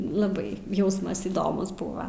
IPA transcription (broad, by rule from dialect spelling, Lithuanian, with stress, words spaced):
lˠɐˈbɐɪ ˈjɛʊsmɐs iːˈdoːmʊs ˈbuːʋɐ